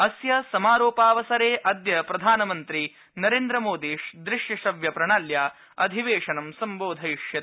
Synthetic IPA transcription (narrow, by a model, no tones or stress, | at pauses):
ɐsjɐsɐmaːɾoːpaːʋɐsɐɾeːʔɐd̪jɐpɾɐd̪ʱaːnɐmɐnt̪ɾi | nɐɾeːnd̪ɾɐmoːd̪iːʂd̪ɾɪʂjɐʂɐʋjɐpɾɐɳaːljaː | ɐd̪ʱiʋeːʂɐnɐmsɐmboːd̪ʱɐiʃjɐt̪